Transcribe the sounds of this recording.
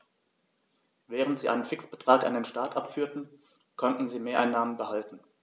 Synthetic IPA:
vɛːʁ̞əntz̥iːʔa̰ɪnənfɪksb̥ətʁ̥aːkʔa̰ndenʃtaːɐtʔapfyːɐtn̩ | kʰɔntn̩ziːmeːɐʔaɪnːaːmənbəhaltn̩

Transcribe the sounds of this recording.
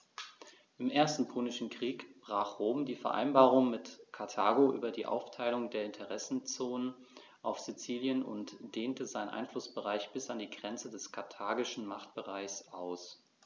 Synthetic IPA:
ʔɪmʔeːɐstn̩pʰuːnɪʃn̩kʁ̥iːkb̥ʁaːχʁ̥oːmdiːfɛɐʔa̰ɪnbaːʁʊŋmɪtkʰaɐtʰaːɡoʔy̰ːbɐdiːʔa̰ʊftʰaɪlʊŋdeːɐɪntʰəʁ̞ɛsn̩t͡soːnən | ʔaʊfz̥it͡siːljənʊ̰ntd̥eːntəzaɪnʔa̰ɪnflʊsb̥əʁaɪçb̥ɪsandiːɡʁɛnt͡sədɛskʰaɐtʰaːɡɪʃn̩maχt̚b̥əʁaɪçsʔaʊs

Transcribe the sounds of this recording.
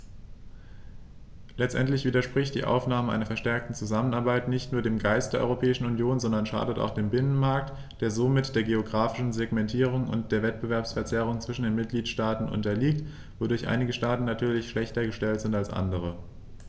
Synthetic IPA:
lɛt͡stʔɛntlɪçv̥iːdɐʃpʁ̥ɪçt̚d̥ḭːʔa̰ʊfnaːməʔa̰ɪnɐfɛɐʃtɛɐk̚tn̩t͡suzamənaɐbaɪtnɪçtnuːɐdeːmɡaɪstd̥eːɐʔɔ̰ʁopʰɛːɪʃn̩ʊnjoːnzɔndɐnʃa̰ːdəta̰ʊxd̥eːmbɪnənmaɐk̚t | d̥eːɐzomɪtd̥eːɐɡeoɡʁaːfɪ̥ʃn̩zeɡmɛntʰiːʁ̞ʊŋʊ̰ntd̥eːɐvɛtb̥əvɛɐpsfɛɐt͡sɛʁ̞ʊŋt͡sv̥ɪʃn̩deːnmɪt̚ɡ̥liːtʃtaːtn̩ʔʊ̰ntɐliːkt | v̥odʊɐçʔa̰ɪnɪɡəʃtaːtn̩natʰyːɐlɪçʃlɛçtɐɡəʃtɛltz̥ɪntalsʔa̰ndəʁ̞ə

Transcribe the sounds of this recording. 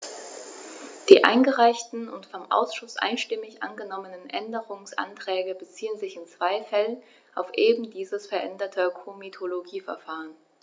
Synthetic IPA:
d̥iːʔa̰ɪnɡəʁaɪçtn̩ʊ̰ntfɔmʔa̰ʊsʃʊsʔa̰ɪnʃtɪmɪçʔa̰nɡənɔmənənʔɛndəʁʊŋsʔa̰ntʁ̥ɛːɡəbət͡siːənzɪçɪnt͡sv̥aɪfɛlən | ʔaʊfʔeːbm̩diːzəsfɛɐʔɛndɐtʰəkʰomitʰoloɡiːfɛɐfaːʁən

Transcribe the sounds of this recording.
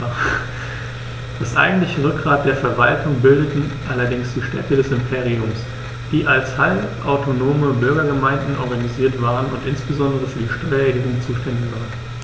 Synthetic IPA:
d̥asʔa̰ɪɡŋ̩tlɪçəʁʏk̚ɡ̥ʁaːt̚d̥eːɐfɛɐvaltʊŋbɪldətn̩ʔalɐdɪŋsd̥iːʃtɛ̰tədɛsɪmpʰeːʁ̞iʊms | d̥iːʔalshalʔaʊtʰonoːməbʏɐɡɐɡəmaɪndn̩ʔɔɐɡaniziːɐtv̥aːʁənʊntʔɪnsb̥əzɔndəʁ̞əfyːɐdiːʃtɔʏɐedeənt͡suːʃtɛndɪçv̥aːʁən

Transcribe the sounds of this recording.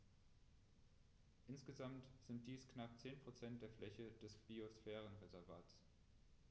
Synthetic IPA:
ʔɪnsɡ̥əzamtz̥ɪnt̚d̥iːsknap̚t͡seːnpʁ̥ot͡sɛnt̚d̥eːɐflɛçəd̥ɛsb̥iosfɛːʁənʁezɛɐvaːts

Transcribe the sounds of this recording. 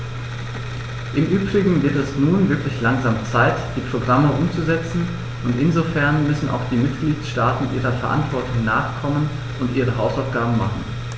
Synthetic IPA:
ʔɪmʔyːbʁɪɡŋ̩vɪɐtɛsnuːnvɪɐklɪçlaŋzaːmt͡saɪtd̥iːpʁ̥oɡʁaməʔʊmt͡suzɛt͡sn̩ | ʔʊntɪnzofɛɐnmʏsn̩ʔa̰ʊxd̥iːmɪtɡ̥liːtʃtaːtn̩ʔiːʁɐfɛɐʔa̰ntv̥ɔɐtʰʊŋnaːχkʰɔmən | ʔʊntʔiːʁ̞əɦaʊsaʊfɡ̥aːbm̩maχn̩

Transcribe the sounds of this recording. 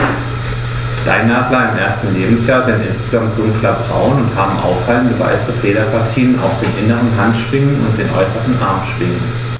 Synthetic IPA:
d̥a̰ɪnːaːχl̥aːɪmʔeːɐstn̩leːbm̩sjaːɐzɪntʔɪnsɡ̥əzamt̚d̥ʊŋklɐbʁa̰ʊnʊnthaːbm̩ʔa̰ʊffaləndəva̰ɪsəfeːɾɐpʰaɐtʰiːəna̰ʊfd̥eːnʔɪnəʁənɦantʃv̥ɪŋənʊ̰nt̚d̥eːnʔɔ̰ʏsəʁən̩ʔa̰ɐmʃv̥ɪŋən

